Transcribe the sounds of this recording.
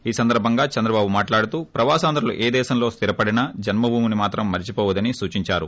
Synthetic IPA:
iːsɐnd̪ɐɾbʱɐŋɡaːt͡ʃɐnd̪ɾɐbaːbumaːʈlaːɽut̪uːpɾɐʋaːsaːnd̪ɾulṵʔeːd̪ɛːʃɐmlo̞ːst̪ʰiɾɐpɐɽinɐd͡ʒɐnmɐbʱuːmunimaːt̪ɾɐmːɐɾt͡ʃipoːʋɐd̪ɐnisuːt͡ʃiɲt͡ʃaːɾṵ

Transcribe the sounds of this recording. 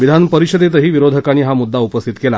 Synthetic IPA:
ʋid̪ʱanpəɾiɕəd̪et̪əɦiːʋiɾod̪ʱəkañiːɦamud̪ːaupəst̪ʰit̪kela̰

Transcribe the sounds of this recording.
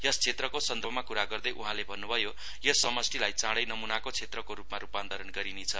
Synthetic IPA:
jʌst͡sʰet̪rʌkosʌnd̪ʱʌbmakuɾaɡʌrd̪ʌjʔuɦãlebʱʌnːubʱʌjo | jʌsʌmʌsʈʰilajt͡sãɽʌjnʌmunakot͡sʰet̪rʌkoɾupmaɾupand̪ʱʌɾʌnɡʌɾinet͡sʰʌ

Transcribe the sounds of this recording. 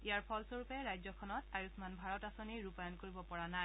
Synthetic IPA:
ijaɹpʰɔlsoɹupɛɹajzɔkʰɔnɔtajusmanbʱaɹɔtasoniɹupajɔnkoɹibɔpɔɹanaj

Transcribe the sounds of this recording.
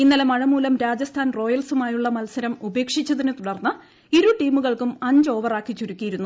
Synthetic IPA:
inːɐlemɐɻɐmuːlɐmɾaːd͡ʑɐst̪ʰaːnro̞ːjɐlsumaːjuɭːɐmɐlsɐɾɐmube̞ːkʂit͡ɕːɐðinɨt̪uɽɐrnːɐ | iɾuʈiːmuɣɐɭkumɐɲd͡ʑo̞ːʋɐraːkːit͡ɕːuɾukʲːijiɾunːu

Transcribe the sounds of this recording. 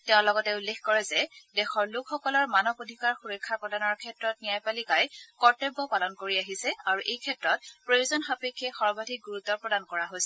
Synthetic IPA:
tɛʊ̃lɔɡɔtɛulːexkɔɹɛzɛdɛxɔɹlʊkʰxɔkɔlɔɹmanɔbodʱikaɹxuɹɔkʰːapɹɔdanɔɹkʰɛtɹɔt̚nijajpalikajkɔɹtebːɔpalɔnkoɹiaɦisɛaɹuʔejkʰɛtɹɔt̚pɹojuzɔnxapekʰːɛxɔɹbadʱik̚ɡuɹutːɔɹpɹɔdankɔɹaɦojsɛ

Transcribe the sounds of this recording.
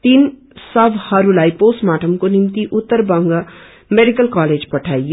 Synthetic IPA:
t̪iːn | səbʱhɐɾulaːipoːsmaːʈʰəmkonɪmt̪iʔʊt̪ːəɾbəŋɡ | meɖikəlkaːleːd͡ʒpɐʈʰaːi

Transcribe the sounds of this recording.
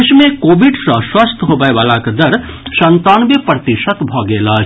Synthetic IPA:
ʃmẽkoːʋiɖsə̃swɐst̪ʰɦoːbəeʋaːlakɐd̪ɐɾ | ʃɐnt̪aːnbepɾɐt̪iʃət̪bʱɔːɡeːlaː

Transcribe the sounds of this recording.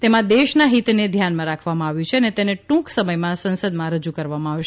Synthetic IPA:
t̪emãd̪eʃnaɦit̪ned̪ʱjanmãɾakʰʋamãaʋjũt͡ʃʰeənet̪eneʈũksəməjmãsə̃nsəd̪mãɾəd͡ʒukəɾʋamãaʋʃ

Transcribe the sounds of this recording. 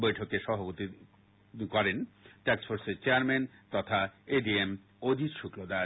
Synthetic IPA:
bojʈʰokeʃɔbʱapot̪i | kɔɾenʈeksfoɾseɾt͡ɕeaɾment̪ɔt̪ʰaeɖiem | od̪ʱit̪ʃuklod̪a

